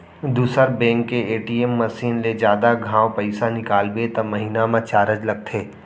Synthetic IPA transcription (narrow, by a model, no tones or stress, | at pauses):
d̪uːsəɾbɛ̃ːŋkːeeːʈiemːɐsiːnled͡ʒjaːd̪aɡʱãːwpɐɪsanɪkaːlbet̪ɐmɐɦinamãt͡ʃaːɾəd͡ʒlɐɡ̚t̪ʰeː